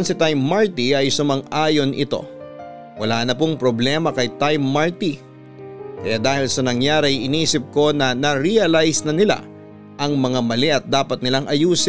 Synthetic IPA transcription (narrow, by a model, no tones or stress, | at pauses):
nsɪt̪ajmːaɹt̪iɐjsʊmɐŋaːjo̞nʔɪ̰t̪o̞̰ | wɐlaːnɐpʊŋpɾoblɛːmɐkɐjt̪ajmːaɹt̪i | kɐjaːd̪aːhɪlsɐnɐŋjaːɾɪjʔɪniːsɪp̚ko̞nɐnɐɾiɐlajsnɐnɪla̰ | ʔɐŋmɐŋamɐlɛɐt̪̚d̪aːpɐt̪̚nɪlaŋʔɐjuːs